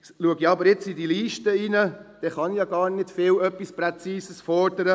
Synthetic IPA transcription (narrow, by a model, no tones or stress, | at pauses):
luəɡiɑbəɾjɪt͡sidiliːʃtəinəd̥ɛχɑnijɑɡɑːɾnɪd̥fɪːlœpːispɾɛt͡siːsəsfɔɾdəɾə